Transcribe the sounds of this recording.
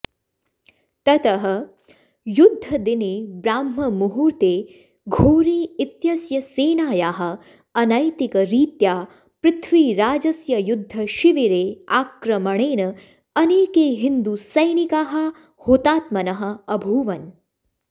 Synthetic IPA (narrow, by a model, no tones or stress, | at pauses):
t̪ɐt̪ɐɦɐ̆ | jud̪ʱːɐd̪inibɾaːmːɐmuɦuːɾt̪eː | ɡʱoːɾiːit̪jɐsjɐseːnaːjaːɦɐ̆ | ɐnɐjt̪ikɐɾiːt̪jaː | pɾɪt̪ʰʋiːɾaːd͡ʒɐsjɐjud̪ʱːɐʃiʋiɾeːaːkɾɐmɐɳeːnɐ | ɐneːkeːɦind̪usɐjnikaːɦɐ̆ | hoːt̪aːt̪mɐnɐɦɐ̆ɐbʱuːʋɐn